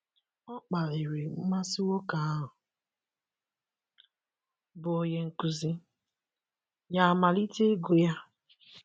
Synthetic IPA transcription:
ɔ˦k͡pa˨le˨ɾe˨m̩˦ma˦si˦wo˦ka˨a˦ɦʊ˨ | bʊ˨o˨je˨ŋ̩˨ku˨zi˦ | ja˨ma˨li˦te˦ɡo˨ja˦

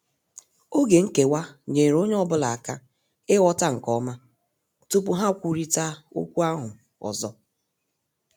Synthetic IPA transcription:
o˦ɡe˨ŋ̩˦ke˨wa˦ɲe˨ɾo˦ɲe˦ɔ˦bʊ˦la˨a˨ka˦ | ɪ˦wɔ˦ta˦ŋ̩˨kɔ˦ma˦ | tu˦pʊ˨ɦa˦˨kʷu˦˨ɾi˦ta˦o̰˦kʷu˦a˦ɦʊ˨ | ɔ̰˨zɔ˦

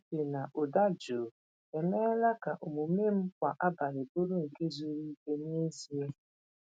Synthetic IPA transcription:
e˨na˨ʔʊ˨da˦d͡ʒo˨ | e˨me˦la˦ka˨ʔo˨mu˨me˦m̩˦kʷa˨ʔa˦ba˨ɾɪ˨bo˦ɾu˦ŋ̩˨ke˦zu˦ɾi˦ke˦n˦e˦zi˦e˦

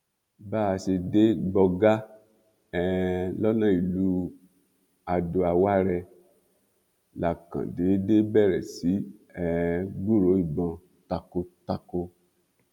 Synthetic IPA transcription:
baː˦˨˧se˧de˦ɡ͡bɔ˧ɡa˦ | ɛ˨lɔ˦nã˦˨i˨lu˦ | a˨˧do˧a˧wa˦ɾɛ˧ | la˨kã̰˨de˨˦de˦bɛ˦˨ɾɛ̰˨si˨˦ɛ˨ɡ͡bu˦˨ɾo˨˦i˦˨ɡ͡bɔ̃˧ | ta˧ko˧ta˧ko˧

